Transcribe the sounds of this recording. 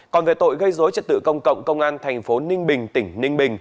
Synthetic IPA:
kɔ˨˩nve˨˩t̪o̰˧˨jɣə˧jzo˨˦jt͡ɕə˨˧˩t̚t̪ɨ̰˧˨kə˧wŋ͡mkə̰˧˨wŋ͡mkə˧wŋ͡mʔaː˧nt̪ʰa˨˩jŋ̟fo˨˦nï˧ŋ̟ɓï˨˩ŋ̟t̪ï˧˩ŋ̟nï˧ŋ̟ɓï˨˩ŋ̟

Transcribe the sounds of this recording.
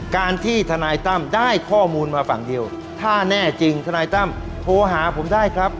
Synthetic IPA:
kaː˧nt̪ʰiː˥˩t̪ʰa˧naː˧jt̪a˥˩mdaː˥˩jkʰɔː˥˩muː˧nmaː˧fa˨˩ŋdi˧əw | t̪ʰaː˥˩nɛː˥˩t͡ɕi˧ŋt̪ʰa˧naː˧jt̪a˥˩m | t̪ʰoː˨˦ɦaː˩˦pʰo˩˦mdaː˥˩jkʰɾa˦˥p̚

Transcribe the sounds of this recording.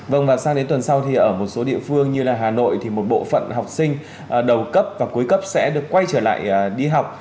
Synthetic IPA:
və˧˩nvaː˨˩saː˧ŋɗe˨˦nt̪wə˨˩nsa˧wt̪ʰi˨˩ʔəː˧˩mo˨˩t̚so˨˦ɗḭ˧˨əfɨ˧əŋɲɨ˧laː˨˩ɦaː˨˩no̰˧˨jt̪ʰi˨˩mo˨˩t̚ɓo̰˧˨fə̰˧˨nɦa˨˩wk͡p̚sï˧ŋ̟ | ʔɗə˨˩wkə˦˥p̚vaː˨˩ku˨˦jkə˦˥p̚sɛ̰˧˥ɗɨ˨˩əkːwa˧jt͡ɕəː˧˩la̰ː˧˨jɗi˧ɦa˨˩wk͡p̚

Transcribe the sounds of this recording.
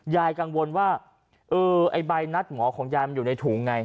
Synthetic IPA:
jaː˧jka˧ŋwo˧nwaː˥˩ | ʔɤː˧ʔa̰˧˩jba˧jna˦˥˩t̪̚mɔː˩˦kʰɔː˩˦ŋjaː˧jma˧njuː˨˩na˧jt̪ʰuː˩˦˩ŋːa˧j

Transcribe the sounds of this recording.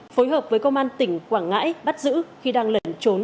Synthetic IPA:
fo˨˦jɦəː˨˩p̚vəː˨˦jkə˧ŋ͡mʔaː˧nt̪ï˧˩ŋ̟kwaː˧˩ŋŋa̰ː˧˥jɓa˦˥t̚zɨ̰˧˥xi˧ɗaː˧ŋlə˨˩nt͡ɕo˨˦n

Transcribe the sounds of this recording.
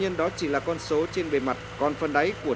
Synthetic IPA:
ɲi˧ənɗɔ˨˦t͡ɕi˧˩laː˨˩kɔ˧nso˨˦t͡ɕe˧nɓe˨˩ma˨˩t̚kɔ˧nfə˧nɗa˨˦jku˧˩ə˩

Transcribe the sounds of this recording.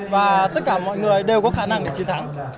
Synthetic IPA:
vaː˨˩t̪ə˦˥t̚kaː˧˩mɔ̰˧˨jŋɨ˨˩əʔə˨˦jɗe˨˩wkɔ˨˦xaː˧˩na˧ŋɗe˧˩t͡ɕi˧˦nt̪ʰa˨˦ŋ

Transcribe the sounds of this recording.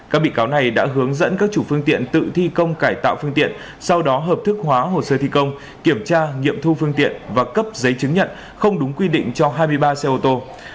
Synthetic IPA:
kaː˦˥k̚ɓḭ˧˨kaː˨˦wna˨˩jɗa̰ː˧˥ɦɨ˨˦əŋzə̰˧˥nkaː˦˥k̚t͡ɕu˧˩fɨ˧əŋt̪ḭ˧˨ənt̪ɨ̰˧˨t̪ʰi˧kə˧wŋ͡mkaː˧˩jt̪a̰ː˧˨wfɨ˧əŋt̪ḭ˧˨ən | sa˧wɗɔ˨˦ɦəː˨˩p̚t̪ʰɨ˦˥k̚ɦwaː˨˦ɦo˧˩səː˧t̪ʰi˧kə˧wŋ͡m | ki˧˩əmt͡ɕaː˧ŋḭ˧˨əmt̪ʰu˧fɨ˧əŋt̪ḭ˧˨ənvaː˨˩kə˦˥p̚zə˨˦jt͡ɕɨ˨˦ŋɲə̰˧˨n | xə˧wŋ͡mɗʊ˨˦ŋ͡mkwi˧ɗḭ̈˧˨ŋ̟t͡ɕɔ˧ɦaː˧jmɨ˧əjɓaː˧sɛ˧ʔo˧t̪o˧

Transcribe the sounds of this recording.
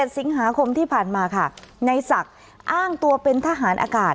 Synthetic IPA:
e˨˩t̪̚si˩˦ŋɦaː˩˦kʰo˧mt̪ʰiː˥˩pʰaː˨˩nmaː˧kʰa˥˩na˧jsa˨˩k̚ | ʔaː˥˩ŋt̪u˧ɐpe˧nt̪ʰa˧ɦaː˩˦˥nʔa̰ː˧kaː˨˩t̪̚

